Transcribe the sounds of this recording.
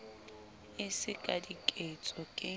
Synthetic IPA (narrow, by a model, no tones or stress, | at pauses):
ɪsɪkʼadikʼet͡sʼɔkʼɪ